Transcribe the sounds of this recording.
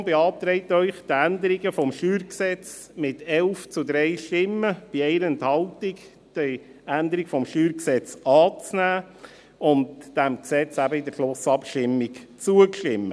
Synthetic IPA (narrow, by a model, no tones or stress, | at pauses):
beɑːt̪ɾɛɪtœʏχd̥̪ænd̪əɾiɡəfɔmʃyːɾksɛt͡s | mɪtɛlft͡sud̪ɾɛɪʃtɪmːəb̥iɛɪɾəɛnthɑltik | d̥əænd̪əɾikfɔmʃtyːɾksɛt͡sɑːt͡snæː | ʊnd̥æmksɛt͡sæbəɪd̪əɾʃlʊsɑpʃtɪmːikt͡suəkʃtɪmːə